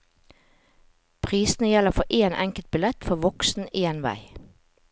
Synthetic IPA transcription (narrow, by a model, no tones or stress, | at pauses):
pʰʁiːsn̩əjɛləʁfɔʔeːnʔɛŋkəlt̪̚bɪlɛt̪fɔʋɔksn̩eːnʋæ̰ɪ